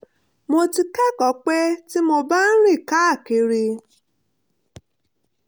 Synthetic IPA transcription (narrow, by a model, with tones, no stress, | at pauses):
mo˧ti˧kɛ˦kɔ˨˦k͡pe˦ti˦mo˧ba˦n̩˦ɾi˦˨ka˦a˦˨ke˧˦ɾi˧